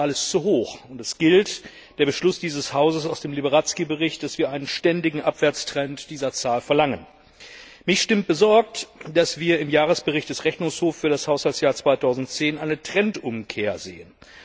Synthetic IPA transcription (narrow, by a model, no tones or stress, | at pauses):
alɪst͡suɦoːxʊntɛsɡ̥ɪlt | d̥eːɐbəʃlʊsd̥iːzəshaʊzəsaʊsd̥eːmlibəʁat͡skibəʁɪçt̚d̥asv̥iːɐʔaɪnənʃtɛndɪɡŋ̩ʔapv̥ɛɐt͡stʁ̥ɛntd̥iːzɐt͡saːlfɛɐlaŋən | mɪçʃtɪmt̚b̥əzɔɐk̚td̥asv̥iːɐɪmjaːʁ̞əsb̥əʁɪçt̚d̥ɛsʁɛçnʊŋshoːffyːɐɾashaʊshalsjaːɐt͡sv̥aɪtʰaʊzn̩tt͡seːnʔaɪnətʁ̥ɛntʔʊmkʰeːɐzḛːən